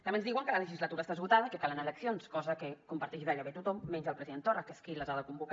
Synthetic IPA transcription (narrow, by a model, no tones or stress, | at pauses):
t̪ɐmenzðiwəŋkələləʒizlət̪uɾəst̪aðəzβut̪aðəikəkalənaləksionskɔzəkəkumpaɾt̪ɛʃiðaʎəβet̪ut̪ɔmːɛɲʒəlˠpɾəziðent̪ɔrəkəskiləzaðəkumbuk